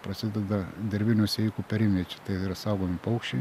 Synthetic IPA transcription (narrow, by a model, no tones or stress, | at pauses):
pɾɐsʲɪd̪ʲɛd̪ɐd̪ʲɛɾʲbʲɪnʲoːsʲɛikupʲɛɾʲɪmʲiɛt͡ʃʲɛ̥t̪ɐɪiɾɐsɑʊɡoːmʲɪpɐʊkʃt͡ʃʲɪ